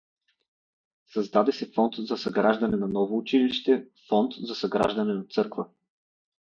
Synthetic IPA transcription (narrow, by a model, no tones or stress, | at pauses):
sɐzd̪ad̪ɛsɛfɔnt̪zɐsɐɡɾaʒd̪ɐnɛnɐnɔvoːt͡ʃiliʃt̪ɛfɔnt̪zɐsɐɡɾa̰ʒd̪ɐnɛnɐt̪sɤɾkvə